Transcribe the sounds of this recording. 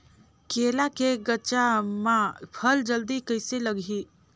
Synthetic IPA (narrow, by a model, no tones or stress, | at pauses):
keːlakeɡəːt͡ʃamãpʰəld͡ʒəld̪ikəɪseləɡʱi